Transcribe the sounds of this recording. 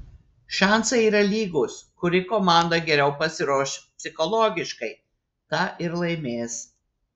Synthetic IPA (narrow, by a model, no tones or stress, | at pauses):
ʃɑˑnsɐiːɾɐlʲiːɡʊskʊɾʲɪkomɑˑnd̪ɐɡʲɛɾʲɛʊpɐsʲɪɾoːʃʲpʲsʲɪxɔlˠɔːɡʲɪʃkɐɪ | t̪ɑʔɪɾlˠɐɪmʲeːs